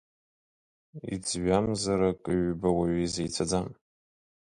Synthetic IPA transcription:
ḭd͡zɥʷamzaɾakʼɨɥbawaɥizejt͡sʰad͡zam

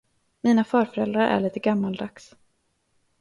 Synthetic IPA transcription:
miːnafœːɾfœɾɛld̪ɾaɾʔæ̰ɭiːt̪əɡamːald̪aks

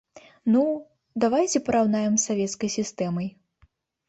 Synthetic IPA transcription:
nu | d̪avajt͡sʲɛpɐɾawnajɛmsːavʲɛt̪skɐjsʲist̪ɛmɐj

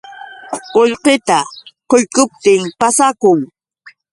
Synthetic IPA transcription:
oʎqet̪aqoʎkʊp̚t̪ɪmpasakʊŋ

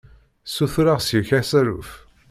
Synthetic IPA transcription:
suθɾaʁsjəçæsæɾṵf

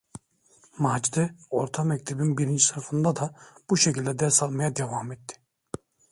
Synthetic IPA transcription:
maːd͡ʒd̪ɛoɾt̪ʰamɛc̚t̪ʰebinbiɾind͡ʒʰisaɾfɯnd̪ad̪ab̥uʃecʰilʲd̪ɛd̪ɛɾsalˠmajad̪evaːmɛt̪ːi̥

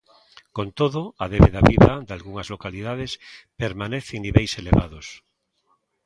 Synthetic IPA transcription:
kont̪oðoaðeβeðaβiðad̪alɣuŋazlokaliðað̞espeɾmaneθeŋniβejseleβa̰ðos

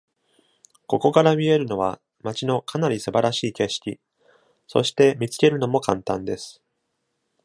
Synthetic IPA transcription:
ko̞ko̞kaɾamʲie̞ɾɯ̟no̞β̞a̰ | mat͡ɕino̞kanaɾʲisɨbaɾaɕiːke̞ɕi̥kʲḭ | so̞̰ɕi̥t̪e̞mʲit͡sɨ̥ke̞ɾɯ̟no̞mo̞kãnt̪ãnd̪e̞sɨ̥

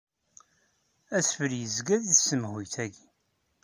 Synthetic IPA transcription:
æsfəɾjəzɡæðiθsːəmhujθæɡi

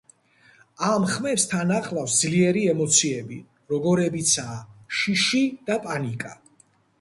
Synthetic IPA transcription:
amχmɛpst̪ʰanaχlˠafsd̪zliɛɾiɛmɔt̪sʰiɛbi | ɾɔɡɔɾɛbit̪sʰaːʃiʃid̪̥apʼanikʼa

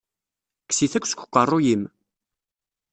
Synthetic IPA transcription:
kːsiθækʷːsə̥kʷːqʷːərˤːʊjim

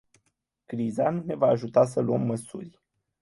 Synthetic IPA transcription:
kɾizanune̞vaːʒut̪as̬əluəmːəsurʲ

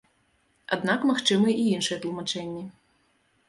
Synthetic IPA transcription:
a̰d̪nakmaxt͡ʂɨmɨɛʔiinʂɨjɛt̪lˠumat͡ʂɛnʲːɛ

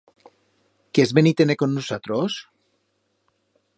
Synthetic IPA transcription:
kezβenit̪enekonːusat̪ɾos

